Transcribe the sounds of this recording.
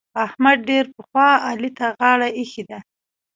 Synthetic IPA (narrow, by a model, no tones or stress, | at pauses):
ahmad̪̚ɖeɾpəxwɑɑlit̪aɣɑɽaexid̪a